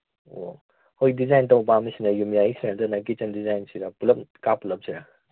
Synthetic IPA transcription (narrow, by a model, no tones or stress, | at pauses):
o̰ | hojdizajntɐwbamisinɐjumjaisʰiɾantɐnajɡit͡ʃɐndizajnsiɾapulɐp̚kapulɐp̚siɾa